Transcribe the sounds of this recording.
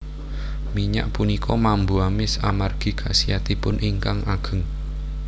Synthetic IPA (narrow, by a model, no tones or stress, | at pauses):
miɲa̰ʔpunikʰɔmambuamɪsamarɡ̥i̤kʰasiat̪ipʊnɪŋkaŋaɡ̥ə̤ŋ